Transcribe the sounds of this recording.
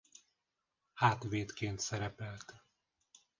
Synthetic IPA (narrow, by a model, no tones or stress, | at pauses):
haːt̪veːt̪keːnt̪sɛɾɛpɛlt̪